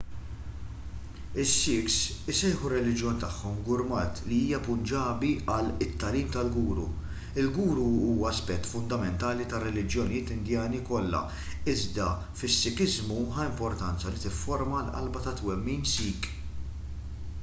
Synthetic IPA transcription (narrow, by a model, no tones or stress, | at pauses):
ɪsːɪksɪsɛjħurːɛlɪd͡ʒjɔːnt̪ɐħːɔmɡʊɾmɐːt̪liiːjɐpʊnd͡ʒɐːbiʔɐlɪt̪ːɐliːmt̪ɐlɡuːɾṵ | ɪlɡuːɾuuːwɐɐspɛt̪ːfʊnd̪ɐmɛnt̪ɐːlit̪ɐrːɛlɪd͡ʒjɔnijɪːt̪ɪnd̪jɐːnikɔlːɐ̰ | ɪzd̪ɐ | fɪsːɪkɪzmuħɐɪmpɔɾt̪ɐnt͡sɐlit̪ɪfːɔɾmɐlʔɐ̰lbɐt̪ɐt̪wɛmːiːnsiːk